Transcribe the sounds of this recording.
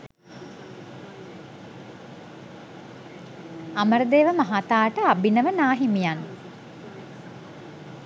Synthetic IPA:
aməɾəd̪eːʋəmaɦat̪aːʈəabinəʋənaːɦimijan

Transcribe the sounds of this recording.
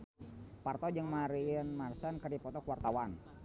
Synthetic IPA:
part̪ɔd͡ʒəŋmaɾinmarsankərdipɔt̪ɔkuwart̪awan

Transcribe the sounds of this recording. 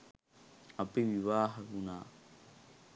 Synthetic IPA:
apiʋiʋaːɦɐkunaː

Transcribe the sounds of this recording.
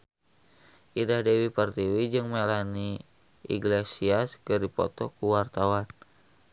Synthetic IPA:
ʔidahdewipərt̪iwid͡ʒɨŋmalani | ʔḭɡlesiaskɨɾipɔ̰t̪ɔkuwart̪awan

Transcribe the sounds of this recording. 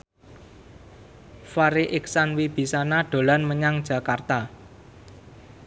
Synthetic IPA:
faɾeʔɪksanwib̥i̤sanaɖ̥o̤lanməɲaŋd̥ʒ̥ä̤kart̪a

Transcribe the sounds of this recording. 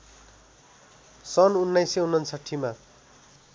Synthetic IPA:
sʌnunːajseunːʌnsʰaʈʰːima

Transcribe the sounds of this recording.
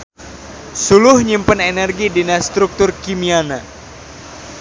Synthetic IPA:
sulʊhɲimpənenɛrɡidinast̪ɾuk̚t̪ʊrkimiana

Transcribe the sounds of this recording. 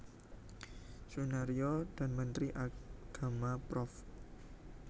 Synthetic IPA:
sunaɾiod̥a̤nmənt̪ɾiʔaɡ̥a̤mapɾɔf

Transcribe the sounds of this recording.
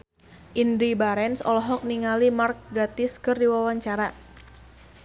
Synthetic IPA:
ʔindɾibaɾɛnsɔ̰lɔɦɔk̚niŋalimark̚ɡat̪ɪskɨrdiwawaɲt͡ʃaɾa

